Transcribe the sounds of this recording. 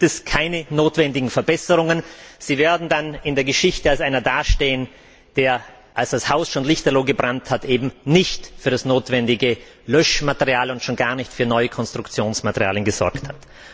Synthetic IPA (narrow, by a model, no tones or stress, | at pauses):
tɛskʰaɪnənoːtv̥ɛndɪɡŋ̩fɛɐbɛsəʁʊŋənz̥iːveːɐdn̩danɪndeːɐɡəʃɪçtəalsʔaɪnɐdaːʃteːən | d̥eːɐ | ʔalsd̥ashaʊsʃoːnlɪçtɐloːɡəbʁanthatʔeːbm̩nɪçtfyːɐɾasnoːtv̥ɛndɪɡə | lœʃmatəʁiaːlʊntʃoːnɡaːɐnɪçtfyːɐnɔʏəkʰɔnstʁ̥ʊkt͡sjoːnsmatəʁja̰ːlənɡəzɔ̰ɐkthat